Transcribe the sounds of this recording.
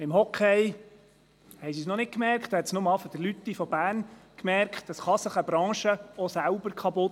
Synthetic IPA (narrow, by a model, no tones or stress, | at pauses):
ɪmhɔkʰɛj | hɛɪjsisnɔnɪt̚kmɛrkχtd̥̪ohɛtsnʊmɑfɔd̥əlyt̪ːifɔbæːrnkmɛrkχtəsχɑsəχəbɾɑ̃ːʃəɔsæʊbəɾkʰɑpʊt